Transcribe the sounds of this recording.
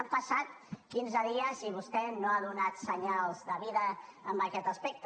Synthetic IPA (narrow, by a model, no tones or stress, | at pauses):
mpəsat̪ | kinzəðiəziβ̞ust̪ɛnoaðunat̪səɲalˠzðəβiðəːmbəkɛt̪əspɛk̚t̪